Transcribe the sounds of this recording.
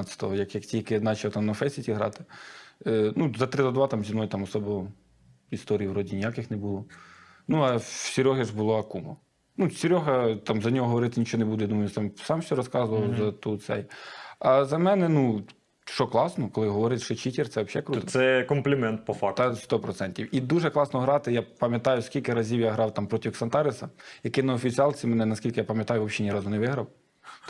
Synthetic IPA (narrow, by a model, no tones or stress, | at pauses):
t͡sʲɐ̥t̪ɔɦɔjɐkjɐktʲijɐkɪnɑt͡ʃɐlˠt̪ɑmnɐfɛsʲitʲiɦɾɑ̰t̪ɪ̥ | nuzɐt̪ɾɪd̪ɔd̪ʋɑt̪ɑmzʲimnɔjt̪ɑmɔsɔbɔ | ist̪ɔɾʲijwɾɔdʲinʲɪjakɪxnɛbulˠɔ | nuɐsʲiɾʲɔɦɪʒbʊlˠɔɐkumɔ | nusʲiɾʲɔɦɐt̪ɑmzɐnʲɔɦɔɦɔʋɔɾɪt̪ɪnʲit͡ʃɔɔnɛbud̪ɛjɐd̪umɐjʊt̪ɑmsɑmʃʲɔɾɔskɑzʊʋɐlˠzɐt̪ut̪sɛ̰jɐzɐmɛnɛnu | ʃt͡ʃɔklˠɑsnɔkɔlˠɪɦɔʋɔɾɪt͡sʲʃɔt͡ʃitʲirt̪sɛʋɐpʃɛkɾut̪sɛkɔmplʲɪmɛnt̪̚pɔfɑkt̪ɛst̪ɔpɾɔt̪sɛnʲtʲiwid̪uʒɛklˠɑsnɔɦɾɑt̪ɪjapɐmʲjɐt̪ɑjʊskʲilʲkɪɾɐzʲiwjaɦɾɑwt̪ɑmpɾɔtʲixsɐnt̪ɑɾɪsɐjɐkɪnɐɔfʲit͡sʲiɑlˠt͡sʲimɛnɛnɐskʲilʲkɪjapɐmʲjɐt̪ɑjʊʋɔpʃʲɛnʲiɾɑzʊnɛʋɪɦɾɐw